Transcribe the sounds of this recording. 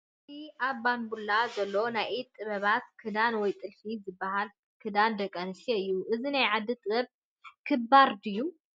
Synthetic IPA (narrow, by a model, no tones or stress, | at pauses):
t̪iʔaβːanbulːazɐlːonajʔit̪ʼːɨβɐβat̪kʰɨd̪anwɔjt̪ʼɨlfizɨbːaɦal | kʰɨd̪and̪ɐkʼːɐnɨʃeɨjːuʔɨzinajʕad̪ːit̪ʼɨbɐb̚ | kʰɨbaɾd̪ɨjːu